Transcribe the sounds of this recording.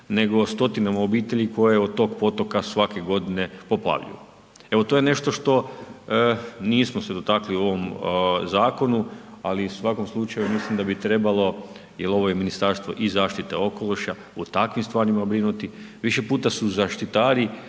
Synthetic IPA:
ne̞ɡo̞st̪o̞t̪inamaobiːt̪e̞ʎiko̞jeod̪̚t̪o̞ːɡpo̞t̪o̞kasʋake̞ɡo̞d̪ine̞po̞pla̰ʋʎḭo | e̞ʋo̞t̪ojene̞ʃt̪o̞ʃt̪o̞ | niːsmose̞d̪o̞t̪akliuo̞ʋo̞mzaːko̞nualisʋako̞mslˠut͡ʃajumislimd̪abit̪ɾe̞balˠo̞ | jelˠo̞ʋo̞jeminist̪aɾst̪ʋo̞̰ʔizaːʃt̪it̪ḛo̞ko̞loʃa | ut̪akʋimst̪ʋaːɾimabɾinut̪i | ʋiʃe̞puːt̪asuzaʃt̪it̪aːɾi

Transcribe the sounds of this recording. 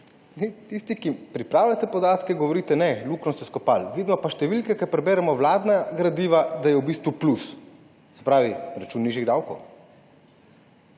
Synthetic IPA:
nɛt̪ist̪ikipɾipɾaːwlat̪ɛpɔd̪aːt̪kɛɡɔʋɔɾiːt̪ɛnɛluknɔst̪ɛskɔpalʋid̪mɔpaʃt̪ɛʋilkɛkɛpɾɛbɛːɾɛmɔwlaːd̪naɡɾad̪iʋad̪ajɛwbiːst̪ʋuplus | sɛ̥pɾaːʋiɾat͡ʃunːiːʒiɣd̪awko̰w

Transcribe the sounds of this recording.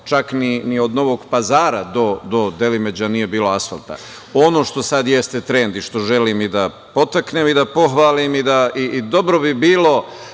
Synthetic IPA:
t͡ʃakninio̞d̪no̞ʋo̞ɡpazaːɾad̪o̞d̪o̞d̪e̞lime̞d͡ʑanije̞biːlo̞asfa̰lˠt̪a̰ | o̞no̞ʃt̪o̞sad̪je̞st̪et̪ɾeːnd̪iʃt̪o̞ʒelimid̪a | po̞t̪akneːmid̪apo̞xʋaːlimid̪aiːd̪o̞bɾobibiːlo̞

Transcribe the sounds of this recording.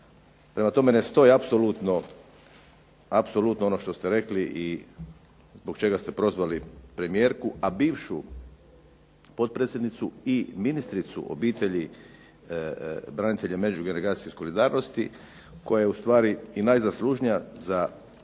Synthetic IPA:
pɾe̞mat̪o̞me̞ne̞st̪o̞jiapsolut̪no | apso̞lut̪noo̞no̞ʃt̪o̞st̪e̞ɾe̞kliʔi | zbokt͡ʃe̞ɡast̪e̞pɾo̞zʋalipɾe̞mije̞ːɾkuabiːʋʃu | po̞t̪̚pɾet̪sʲjed̪nit̪suiminist̪ɾit̪sṵʔo̰biːt̪e̞ʎi | bɾanit̪e̞ʎeme̞d͡ʒuɡe̞neɾaːt̪i̥jeiso̞lid̪aːɾno̞st̪i | ko̞jajeust̪ʋaːɾiinajzaslˠuːʒnijaza

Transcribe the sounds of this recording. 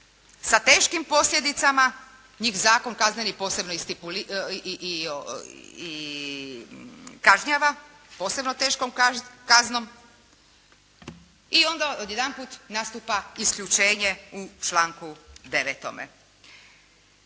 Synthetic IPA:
sat̪e̞ːʃkimpo̞sʎʲje̞d̪it̪sama | ɲiːxzaːko̞nkaznenipo̞ːse̞bnoist̪ipuli | i | kaʒɲaʋa | po̞ːse̞bno̞t̪e̞ːʃkomkazno̞m | io̞nd̪aod̪jed̪anpuːt̪nast̪upaiskʎʲut͡ʃe̞ːɲe̞ut͡ʃlaːŋkud̪e̞ʋet̪o̞̰mḛ

